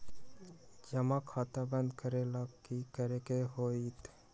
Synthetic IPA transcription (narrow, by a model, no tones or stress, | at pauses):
d͡ʒɐmãkʰaːt̪abə̃nd̪kəɾelaːkkikəɾekeɦoːiːt̪